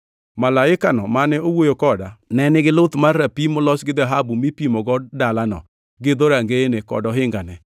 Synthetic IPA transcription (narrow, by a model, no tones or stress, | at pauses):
malaɪkanɔmanɛowojokɔdanɛnɪɡɪlʊt̪marːapimolɔsɡɪd̪aɦabumipimɔɡɔd̚dalanɔ̰ | ɡɪd̪oɾaŋɡenekɔ̰dɔɦɪŋɡanɛ